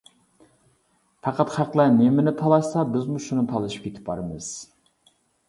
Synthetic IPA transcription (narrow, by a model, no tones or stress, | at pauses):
fʰɑqʰɑt̪χæqlˠænɪmɪnɪt̪ʰɑlˠɑʃsɑbɪzmuʃunɨt̪ʰɑlˠɨʃi̥p̚kʲet̪ʰɪ̥p̚bɑ̰ɾɨmɨz̥